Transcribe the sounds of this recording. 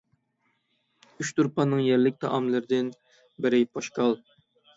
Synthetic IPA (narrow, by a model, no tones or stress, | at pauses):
yt͡ʃt̪uɾpɑnːɨŋjɛɾlɪk̚ʲt̪ʰɑ̰ʔɑmlˠɨɾɪd̪ɪn | bɪɾɪpʰɑʃqɑlˠ